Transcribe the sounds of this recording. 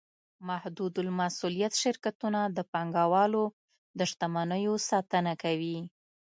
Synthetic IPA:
mahd̪ud̪ʊlmasulijat̪ʃɪɾkat̪unad̪əpaŋɡawɑlo | d̪əʃt̪amanəjosɑt̪ənakawi

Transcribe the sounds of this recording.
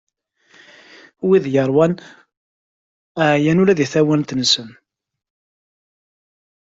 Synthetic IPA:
wiðjəɾˤwæn | ʕjænulæðiθæwænt̪ənsən

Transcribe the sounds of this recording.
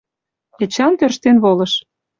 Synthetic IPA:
et͡ɕɑnt̪ørʃt̪enβolɤ̆ʃ

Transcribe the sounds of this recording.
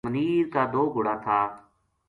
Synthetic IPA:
məniːɾkaːd̪oːɡʊɽaːt̪ʰaː

